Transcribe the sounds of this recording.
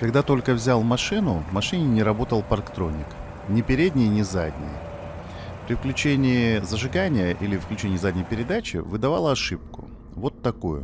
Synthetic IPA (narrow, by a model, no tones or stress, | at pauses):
kɐɡ̚d̪at̪o̞lʲkəvzʲalˠmɐʂɨnʊmɐʂɨnʲɪnʲɪɾɐbo̞t̪əlˠpɐrkt̪ɾo̞nʲːɪk | nʲɪpʲɪɾʲedʲnʲɪjnʲɪzad̪ʲnʲɪ̰j | pɾʲɪfklʲʉt͡ɕenʲɪɪzəʐɨɡanʲɪjəʔilʲɪfklʲʉt͡ɕenʲɪjzadʲnʲɪjpʲɪɾʲɪd̪at͡ɕɪ̰vɨd̪ɐva̰lˠəɐʂɨp̚kʊ̰ | vo̞t̪ːɐkojʊ̰